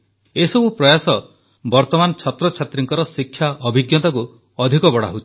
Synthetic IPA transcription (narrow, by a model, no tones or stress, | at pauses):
esɔbupɾɔjasɔ | bɔɾt̪ɔmanɔt͡ʃʰat̪ɾɔt͡ʃʰat̪ɾiŋkɔɾɔsikʰːjaɔbʱiɡjɔt̪aku | ɔd̪ʱikɔbɔɽ̤a̰ɦot͡ʃ̪ʰi̥